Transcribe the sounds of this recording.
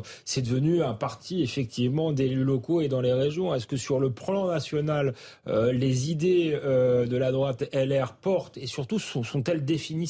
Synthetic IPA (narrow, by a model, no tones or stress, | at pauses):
sɛd̪əvənyɛ̃paʁt̪ʰiefɛk̚t̪ʰivmɑ̃d̪elylɔkoed̪ɑ̃leʁeʒjɔ̃ɛskəsyʁləplɑ̃nasjɔnal | øːezid̪eød̪əlad̪ʁwat̪ɛlɛʁpɔʁt̪esyʁt̪usɔ̃sɔ̃t̪ɛld̪efini